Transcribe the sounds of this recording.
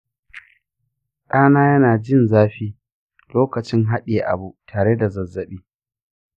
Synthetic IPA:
ɗaː˦naː˦jɐ˦naː˨d͡ʒɪ˦˨nzaː˦ɸiː˦ | loː˦kɐ˨t͡ʃɪ˦ŋɦa˦ɗe˨ʔa̰˨bu˦tʰaː˨ɽe˦da˨zɐ˨zːɐ˨ɓiː˦

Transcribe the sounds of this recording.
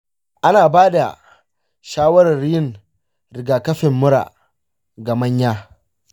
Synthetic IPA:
ʔa˦naː˨baː˦da̰˨ | ʃaː˦wɐ˦ɾɐ˨rjɪ˦˨ŋ | ɾɪ˨ɡaː˨kɐ˦ɸɪ˨mːʊ˦ɾa̰ː˨ | ɡa˨mɐ˦ɲjaː˦

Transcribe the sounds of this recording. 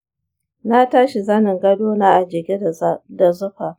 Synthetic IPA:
na˦taː˦ʃi˨zɐ˦nɪ˨ŋɡɐ˦doː˦naː˦ʔa˨d͡ʒɪ˨ɡʲe˦˨˦da˨zʊ˦ɸa˨

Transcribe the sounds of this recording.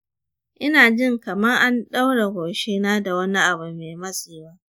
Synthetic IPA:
ʔɪ˦naː˨d͡ʒɪ˦ŋkɐ˨mɐ˦rʔa˦nɗa˦wɽe˨ɡʷoː˨ʃeː˦naː˦da˨wɐ˦ni˦ʔa˨bʊ˨mːe˨mɐ˦siː˨baː˦

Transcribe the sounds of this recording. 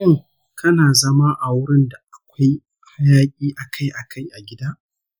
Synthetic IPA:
ʊ˦˨ŋ | kʰɐ˦naː˨zɐ˦ma˦ʔa˨wʊ˦ɽɪ˦nda˨ʔa˨kʷa˦j | ha˦jaː˦kʲʼiː˦ʔa˨kʰa˦jʔa˨kʰa˦jʔa˨ɡʲɪ˦daː˦ʔ

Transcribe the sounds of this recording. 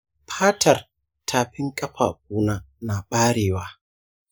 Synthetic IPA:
ɸʰaː˦tʰɐ˨r | tʰaː˨ɸɪ˦ŋkʼɐ˦ɸa̰ː˨k̚uː˦naː˦ | na˨ɓaː˦ɽeː˨waː˦

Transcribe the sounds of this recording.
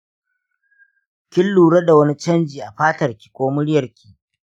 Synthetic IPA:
kʲɪ˦lːuː˨ɽɐ˦da˨wɐ˦ni˦t͡ʃɐ˦nd͡ʒiː˨ʔa˨ɸaː˦tɐ˨rkʲi̥˨kʷoː˦mʊ˦ɽjɐ˨rkʲi˦ʔ

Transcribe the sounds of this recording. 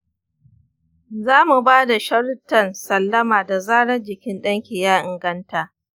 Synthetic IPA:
zaː˦mu˨baː˦da˨ʃɐ˦ɽtːɐ˦˨nsɐ˦˨lːɐ˦maː˨da˨zaː˦ɽɐ˦d͡ʒɪ˨kʲɪ˦nɗɐ˦ŋkʲiː˨jaː˦ʔɪ˨ŋɡɐ˦ntaː˨

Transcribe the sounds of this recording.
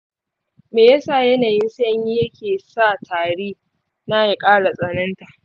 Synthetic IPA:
meː˨ja˦sa˦˨jɐ˦naː˨ji˦nsa˦ɲji˦jɐ˦kʲeː˨sa˦˨tʰaː˨ɽeː˦ | naː˦je˨kʼaː˦ɽa˨sʼɐ˨nɐ˦nta˨ʔ

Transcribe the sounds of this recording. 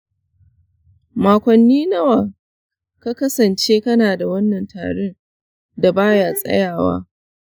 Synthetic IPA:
maː˨kʷɐ˨nːiː˦nɐ˦wa˨ | ka˦kɐ˦sɐ˨nt͡ʃeː˦kɐ˦naː˨da˨wɐ˦nːɐ˨ntʰa̰ː˨ɽe˦n | da˨baː˦jaː˦sʼɐ̰˦jaː˨wa̰ː˦

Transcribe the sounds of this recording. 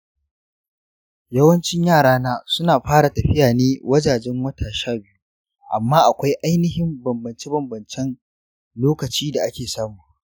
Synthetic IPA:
jɐ˦wɐ˦nt͡ʃɪ˦ɲjaː˦˨ɽaː˦naː˦sʊ˦naː˨ɸaː˦ɽa˨tɐ˨ɸɪ˦jaː˨neː˦wɐ˦d͡ʒaː˨d͡ʒɛ˦ŋwɐ˦tʰaː˨ʃaː˦bɪ˦ju˦ | ʔa˨mːaː˦ʔa˨kʷa˦jʔa˦jnɪ˦ɦɪ˦mbɐ˨mbɐ˨nt͡ʃe˦bɐ˨mbɐ˨nt͡ʃɛ˦n | loː˦kɐ˨t͡ʃiː˦da˨ʔa˦kʲeː˨saː˦muː˨ʔ

